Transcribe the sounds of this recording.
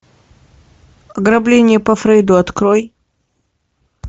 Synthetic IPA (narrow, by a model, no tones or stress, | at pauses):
ɐɡɾɐblʲenʲɪjəpɐfɾɛjd̪ʊɐt̪kɾoj